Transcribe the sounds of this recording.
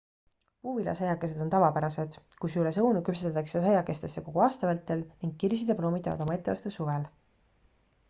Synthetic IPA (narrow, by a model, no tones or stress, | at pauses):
puːvilɑ̰sɑjɑkːˑe̞se̞d̪̥o̞nt̪ɑvɑpæɾɑse̞d̪̥ | kusylesɤwnukypset̪ːet̪ːˑɑksesɑjɑkːˑe̞st̪e̞sːe̞ko̞ɡ̥uɑːst̪ɑvælt̪ːˑe̞lniŋɡ̚kirs̬id̪̥eplo̞ːmit̪ːˑɑ̰nɑ̰d̪̥o̞mɑe̞t̪ːˑevɑ̰st̪esuvel